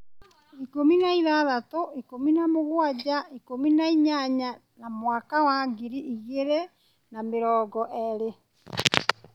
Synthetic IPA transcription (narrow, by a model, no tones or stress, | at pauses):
ikominaiðaðatoʔikominamoɣwad͡ʒaikominaiɲaɲa | namwakawaɡiɾiʔiɣeɾɛ | nameɾɔːɡɔʔɛɾe